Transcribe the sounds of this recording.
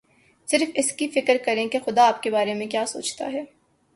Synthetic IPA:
sɪɾfɪskifɪkəɾkɐɾẽkexʊd̪aːp̚kebaːɾemẽkjaːso̰ːt͡ʃt̪a̰ɦɛː

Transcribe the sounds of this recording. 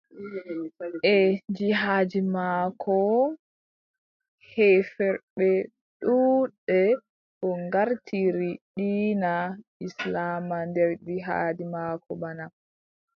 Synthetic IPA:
ʔɛd͡ʒiɦaːd͡ʒimaːkʰɔ | hɛfɛɾɓɛ | ɗuɗɛ | ʔɔŋɡaɾtʰiɾiɗiːnaʔislaːmandɛɾdiɦa̰ːd͡ʒimakɔbana

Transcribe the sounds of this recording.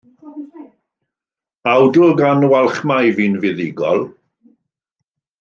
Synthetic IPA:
awdʊɡanwalˠχmajviːnvɪðɪɡɔ̰lˠ

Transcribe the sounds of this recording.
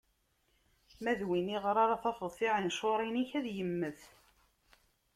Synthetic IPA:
mæðwiniʁəɾˤaɾɑθɑfəðˤθiʁinʃoɾˤiniçæðjəmːəθ

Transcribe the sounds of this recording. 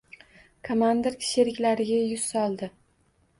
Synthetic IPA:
kʰomand̪eɾkʲʰɪ̥ʃeɾɪkʲlaɾɪɡʲajʊssɒlˠd̪ɪ

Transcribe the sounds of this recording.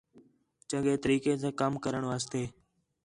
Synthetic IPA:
t͡ʃə̃ŋɠeːt̪əɾiːkẽːsẽːkəmkəɾəɳʋaːst̪eː

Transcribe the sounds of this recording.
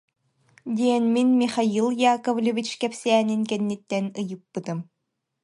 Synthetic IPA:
d̪iɛnminmiχajilˠjaːkɔvlʲivit͡ɕkɛpsɛːniŋkɛnːit̪ːɛnɯjɯpːɯt̪ɯm

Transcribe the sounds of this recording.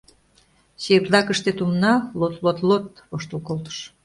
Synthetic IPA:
ɕeɾlɑkəʃt̪et̪umnɑlot̪lot̪lot̪̚ | βoʃt̪əlkolt̪ə̥ʃ

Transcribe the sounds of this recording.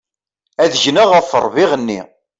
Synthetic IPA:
æðʝnəʁəfːə̰ɾˤviʁənːḭ

